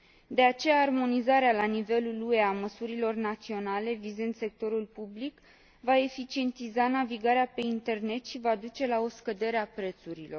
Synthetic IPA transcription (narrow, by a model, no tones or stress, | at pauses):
d̪e̞at͡ʃe̞jaːrmo̞nizaɾealanive̞lulue̞aməsuɾilo̞rnat̪sio̞nale̞vizend̪se̞k̚t̪o̞ɾulpublik | vae̞fit͡ʃie̞nt̪izanaviɡaɾeape̞int̪e̞rne̞t̪ʃivad̪ut͡ʃe̞lao̞skəd̪e̞ɾeapɾe̞t̪suɾilo̞r